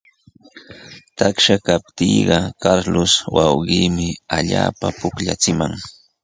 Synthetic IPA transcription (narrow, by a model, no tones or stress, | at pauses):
t̪akʃakap̚t̪iːɢɑkaɾlʊswɑwɢiːmɪaʎaːpapʊkʎa̰t͡sɪmaŋ